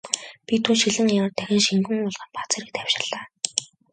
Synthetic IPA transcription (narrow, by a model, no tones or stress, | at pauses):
pʲit̪ʰuːnʃiɮɘ̆ŋimə̆rt̪ʰæxʲɪ̆nʃiŋɡɘ̆ŋʊɮʁănpat͡sːɾiːk̚t̪ʰæw̥ʲʃɪ̆rɮaː